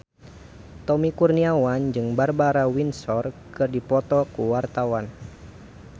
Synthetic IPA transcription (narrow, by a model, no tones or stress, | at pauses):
t̪ɔmikurniawand͡ʒɨŋbarbaɾawinsɔrkɨrdipɔt̪ɔkuwart̪awan